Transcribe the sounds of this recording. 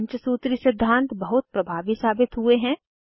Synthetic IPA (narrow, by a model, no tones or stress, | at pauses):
ɲt͡ʃəsuːt̪ɾisɪd̪ʱːãːnt̪bɐɦʊt̪̚pɾɐbʱaːʋisaːbɪt̪ɦueɦɛ̃